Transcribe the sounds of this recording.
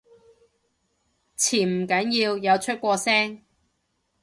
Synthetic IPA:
t͡sʰiː˨˩nm̩˨˩kɐ˨˥njiː˧wjɐ˨˧wt͡ʃʰɵ˥t̚kʷɔː˧sɛː˥ŋ

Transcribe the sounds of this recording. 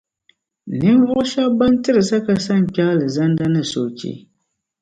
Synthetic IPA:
nɨ˦m˦vʊ˦ʔʊ˦ʃa˦ba˦n˦tɨ˦ɾɨ˨sa˦ka˨sa˦ɲ˨pʲa˦lɨ˨za˦nda˦nɨ˦˨so˨t͡ʃḭ˦

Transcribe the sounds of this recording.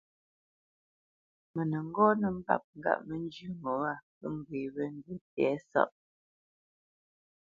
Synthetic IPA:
mə˨nə˨ŋ̩˦ɡɔ˦nə˨m̩˦ba̰˦˨p̚ŋ̩˦ɡa̰˦˨ʔmə˦n˦d͡ʒʉ˦ŋo˨˦a˦˨pə˦m̩˨ɡwe˨wə˦n˦də˦tɛ˨˦sɔ̰˦˨ʔ̚

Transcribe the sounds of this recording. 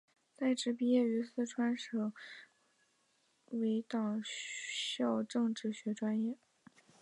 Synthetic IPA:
t͡sa˥˩ɪʈ͡ʂɻ̩˧˥pi˥jɛ˥˩y˧˥sɹ̩˥˩ʈ͡ʂʰwa˥nʂɤ˨˩ŋ | we˧˥ɪt̪ɑ˨˩ŋ | ɕjɑ˥˧ʊʈ͡ʂɤ˥˧ŋʈ͡ʂɻ̩˥˩ɕɥɛ˧˥ʈ͡ʂwa˥njɛ˥˩

